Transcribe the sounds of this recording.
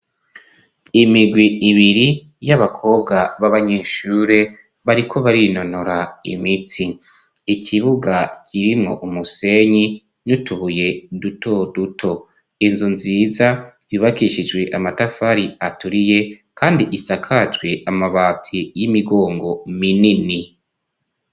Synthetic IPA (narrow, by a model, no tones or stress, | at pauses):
imiɡwiiβiɾi | jaβakʰo̞ːb̚ɡaβaβaɲeːʃuːɾe̞ | βaɾikʰo̞βaɾino̞noɾaḭmit͡si | ikʰiβuɡacʰiɾimŋo̞̰ʔumuse̞ɲi | nutuβuje̞dutʰo̞dutʰo̞ | inzunziːzajuːβakiʃid͡ʒɡwe̞ʔamatafaɾiatuɾije̞ | kʰaːndiʔisakʰad͡ʒwe̞ʔamaβaːtʰijimiɡo̞ːŋɡo̞minini